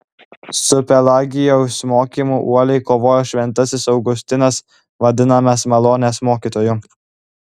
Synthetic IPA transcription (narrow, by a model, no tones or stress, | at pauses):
sʊpʲɛlˠɑːɡʲɪjoʊsmoːkʲimuːʔuɔlʲɛɪkoːʋoːjoːʃʲʋʲɛnˑt̪ɐsʲɪsɐʊɡʊsʲt̪ʲɪnɐs | ʋɐd̪ʲɪnɐmɐsmɐlˠoːnʲeːsmoːkʲiːt̪oːjʊ